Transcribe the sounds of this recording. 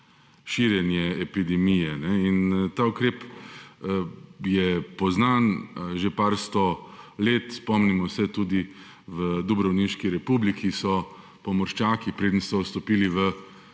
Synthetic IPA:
ʃiːɾjɛnjɛɛpid̪ɛmijɛnɛint̪aːukɾeːp | jɛpɔznanʒepaːɾst̪ɔleːt̪spɔmnimɔsɛt̪uːd̪i | ʋəd̪ɔbɾɐwninʃkiɾɛpublikʰisɔ | pɔmɔɾʃt͡ʃaːkipɾeːd̪ən̩sɔst̪ɔpiːliʋə

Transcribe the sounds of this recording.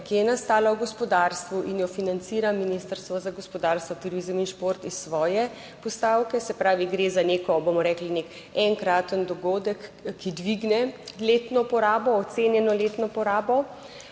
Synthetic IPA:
kiɛnast̪aːlawɡɔspɔd̪aːɾst̪ʋuʔinjɔfinant̪siːɾaminist̪əɾst̪ʋɔzaɡɔspɔd̪aɾst̪ʋɔt̪uɾizminʃpoɾt̪isːʋɔːjɛ | pɔst̪awkɛsɛpɾaːʋiɡɾeːzaneːkɔbomɔɾɛklinek | ɛŋkɾaːt̪ənd̪ɔɡoːd̪əkːid̪ʋiɡnɛleːt̪nɔpɔɾaːbɔːt̪seːnjɛnɔleːt̪nɔpɔɾaːbɔ

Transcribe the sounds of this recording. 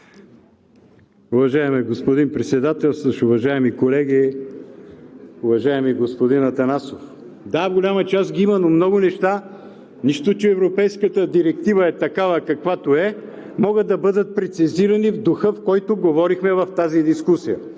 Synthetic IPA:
ʊvɐʒaɛmɛɡospod̪inpɾɛt̪sɛd̪at̪ɛlˠsəʃʊvɐʒaɛmikolɛɡi | ʊvɐʒaɛmiɡospod̪inɐt̪ɐnasof | d̪aɡolʲamɐt͡ʃasɡʲiimɐnomnɔɡʊnɛʃt̪a | niʃt̪ot͡ʃɛɛvɾopɛjskət̪əd̪iɾɛkt̪ivəɛt̪ɐkavəkɐkvat̪oɛ | mɔɡəd̪ːɐbɤd̪ət̪̚pɾɛt̪siziɾɐnivd̪ʊxɤfkɔjt̪oɡovɔɾixmɛvɐft̪azid̪iskusijə

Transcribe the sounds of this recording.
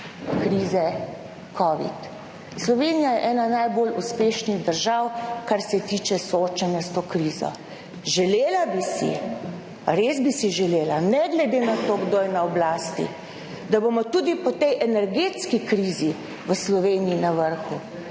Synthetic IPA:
kɾiːzɛ | kʰɔːʋḭt̪ | slɔʋenijajɛʔɛːnanajboluspeːʃniɣd̪əɾʒawkaɾsɛt̪iːt͡ʃɛsɔoːt͡ʃanjast̪oːkɾiːzɔ̰ | ʒɛleːlabisḭ | ɾeːzbisiʒɛleːlanɛɡlɛd̪eːnat̪oːɡd̪oːjɛnaɔblaːst̪ḭ | d̪abomɔt̪uːd̪ipɔt̪ɛjʔɛnɛɾɡet̪skikɾiːzi | ʋəslɔʋeːniːnaʋəɾxu

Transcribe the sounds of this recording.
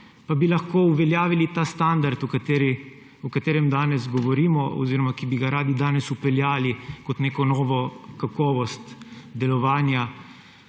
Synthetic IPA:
pabilaxkoːuʋɛljaːʋilit̪aːst̪and̪aɾt̪ukat̪eɾi | ɔkat̪eːɾɛmd̪aːnɛzɡɔʋɔɾiːmɔɔ̰ziːɾɔmakibiɡaɾaːd̪id̪aːnɛsupɛljaːlikɔt̪neːkɔnɔːʋɔkakɔːʋɔst̪d̪ɛlɔʋaːnja

